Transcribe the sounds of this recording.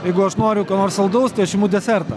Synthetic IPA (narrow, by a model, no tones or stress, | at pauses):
jɛɪɡʊɐʃnoːɾʲʊkɐnoːrsɐlˠd̪ɐʊst̪ɐɪɐʃjʲɪmuːd̪ʲɛsʲɛrt̪ɐ